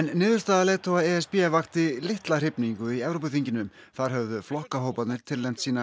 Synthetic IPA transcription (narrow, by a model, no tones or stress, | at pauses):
nːɪːðʏɾ̥st̪aːðaleːt̪ʰowaɛɛspiɛvaxt̪ɪlɪht̪lar̥ɪpniŋkʏiɛvɾowpʏθiɲcɪnʏmθaðɾ̥ɦœvðʏflɔhkaɦoːwpat̪nɪɾ̥t̪ʰɪlːejm̥t̪siːna